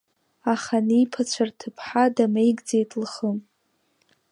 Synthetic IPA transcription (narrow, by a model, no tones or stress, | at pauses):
aχanipʰat͡ɕʷʰartʰɨpʰħadamejɡd͡zejtʼlχəm